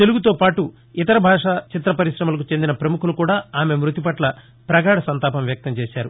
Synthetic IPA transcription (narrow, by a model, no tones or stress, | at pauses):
t̪e̞luɡut̪oːpaːʈu | ɪt̪ɐɾɐbʱaːʂaːt͡ʃit̪ɾɐpɐɾiʃɾɐmɐlɐkut͡ʃe̞nd̪inɐpɾɐmukʰulukuːɽaːaːme̞mɾut̪ipɐʈlɐ | pɾɐɡaːɽɐsɐnt̪aːpɐmʋjɐk̚t̪ɐmt͡ʃɛːʃaːɾu